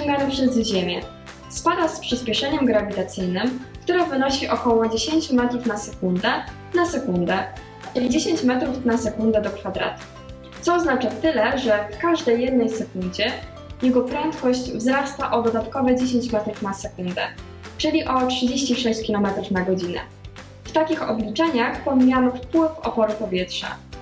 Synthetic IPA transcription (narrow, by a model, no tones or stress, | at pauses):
ɘmʲaɾɘpʂɛzʑemʲjɛ | spad̪aspʂɘspʲɛʂɛɲɛmɡɾavʲit̪at̪sɘjnɘmk̚t̪uɾavɘnɔɕiʔɔkɔwɔd͡ʑeɕeɲt͡ɕumɛt̪ɾufnasɛkund̪ɛ | nasɛkund̪ɛ | id͡ʑeɕeɲt͡ɕmɛt̪ɾufnasɛkund̪ɛd̪ɔkfad̪ɾa̰t̪u̥ | t̪sɔːznat͡ʂat̪ɘlɛʐɛfkaʐd̪ɛjːɛd̪nɛjsɛkund͡ʑɛ | jɛɡɔpɾɛnt̪kɔɕt͡ɕvzɾast̪aʔɔd̪ɔd̪at̪kɔvɛd͡ʑeɕ̬eɲt͡ɕmɛt̪ɾufnasɛkund̪ɛ | t͡ʂɘlʲiʔɔtʂɨd͡ʑeɕt͡ɕiʂɛɕt͡ɕkʲilɔmɛt̪ɾufnaɡɔd͡ʑinɛ̰ | ft̪akʲixɔ̰blʲit͡ʂɛɲaxpɔmʲijamfpwɘfɔ̰pɔɾɘpɔvʲjɛtʂɛ̰